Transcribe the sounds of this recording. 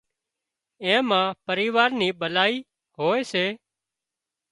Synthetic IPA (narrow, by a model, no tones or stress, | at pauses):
ẽːmãːpəɾiːʋaːɾniːɓəlaːiː | ɦoːeːseː